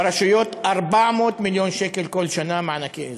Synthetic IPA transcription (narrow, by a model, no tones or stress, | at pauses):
ɾɑʃʊjot̪ʔaɾbaʕmoːt̪miljonʃekelkolʃanamaʕnake